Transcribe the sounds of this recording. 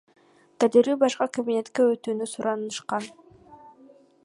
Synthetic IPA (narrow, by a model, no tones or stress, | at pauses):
t̪ʰad̪iɾyːbɑʃqɑkabine̞t̪keøt̪yːnysuɾʔɑnɯʃqɑn